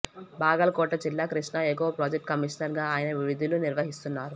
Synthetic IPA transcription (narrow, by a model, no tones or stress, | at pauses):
baːɡɐlɐkɔːʈɐd͡ʒilːaːkɾiʂɳɐekːuʋɐpɾoːd͡ʒek̚ʈkɐmiʂnɐɾɡaːaːjɐnɐʋiʋid̪ʱuluniɾʋɐɦist̪unːaːɾu